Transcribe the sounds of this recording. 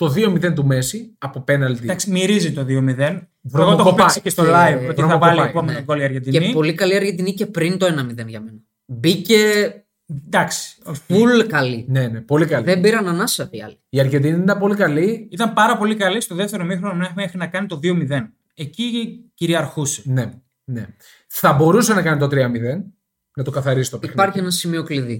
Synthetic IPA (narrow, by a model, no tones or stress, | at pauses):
t̪o̞ðio̞miðent̪umesiɐpopenɐlt̪id̪ɐksimiɾizit̪o̞ðio̞miðen | vɾot̪okoopɐsicest̪olɐivoviɾoθɐovɐlipomenoɡoliɐɾʝend̪ienipo̞likɐliɐɾʝed̪inice̞pɾint̪o̞enɐmiðe̞nʝɐmenɐ | bice | d̪ɐksi̥ofulkɐlinenepo̞likɐliðembiɾɐnɐnɐsɐfiɐ̰liiɐɾʝed̪iniðeenit̪ɐmpo̞likɐliit̪ɐmpɐɾɐpo̞likɐlist̪oðeft̪e̞ɾo̞mixɾonɐmineumexinɐkɐnit̪o̞ðio̞miðe̞n | eciciɾiɐɾxuse̥ne | ne | θɐbo̞ɾusenɐkɐnit̪o̞t̪ɾiɐmiðe̞n | nɐt̪okɐθɐɾisi̥t̪oipɐɾçienɐsimio̞kliði